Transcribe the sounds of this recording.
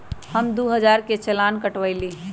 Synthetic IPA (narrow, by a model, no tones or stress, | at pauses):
həmd̪uɦəd͡ʒaːɾket͡ʃelaːnkəʈʋəiliː